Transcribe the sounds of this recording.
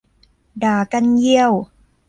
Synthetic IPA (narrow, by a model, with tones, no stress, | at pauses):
daː˨˩ka˧nji˧əw